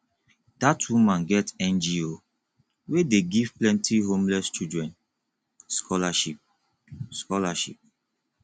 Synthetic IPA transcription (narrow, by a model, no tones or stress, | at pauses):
d̥atwumãnɡɛtɛ̃nd͡ʒio | wedeɡiv̥plɛ̃ntʰiɦõmlɛst͡ʃudɹɛ̃nt | skʰɔlaʃip̚ | skɔlaʃḭp̚